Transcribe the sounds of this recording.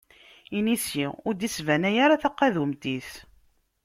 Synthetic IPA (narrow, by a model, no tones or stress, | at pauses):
inisiʊɾd̪isvænæjaɾaθaqːæðumt̪iθ